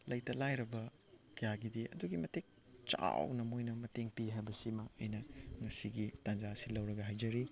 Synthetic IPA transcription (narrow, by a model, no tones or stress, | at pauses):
lɐjtɐlajɾɐbɐ | kijaɡidiɐ̰duɡimɐtek̚ | t͡ʃa̰wnɐmojnɐmɐteŋpiɦajbɐsimɐɐjnɐŋɐsiɡitand͡ʒasilɐwɾɐɡɐɦajd͡ʒɐɾi